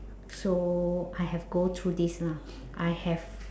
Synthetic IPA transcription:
soʔajɦɛvɡɔ̃nt̪ʰɹudisnã | ʔajhɛv

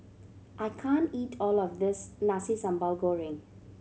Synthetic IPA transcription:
ʔaɪkʰãntiːtʰɔːlɔfd̪ɪsnasisãmbəlɡoɹɪ̃ŋ

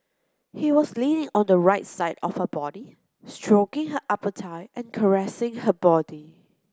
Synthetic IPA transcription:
hiwɔslinɪ̃ŋɔ̃ndəɹaɪtsaɪdɔ̰fhəbɔdi | stɹokɪ̃ŋɦəʔapətʰaɪʔɛ̃nkʰəɹɛsɪ̃ŋhəbɔdi

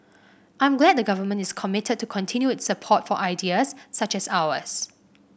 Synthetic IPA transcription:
ʔãj̃mɡlɛd̚dəɡavəmə̃ntɪskʰɔmɪtʰəd̚tːukʰɔ̃ntʰĩnjuɪtsːəpʰɔtfɔʔaɪdiəsːat͡ʃɛsawə̰s

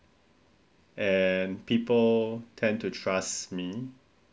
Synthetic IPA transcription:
ɛ̃npipəltʰɛ̃ntutʰɹasmi

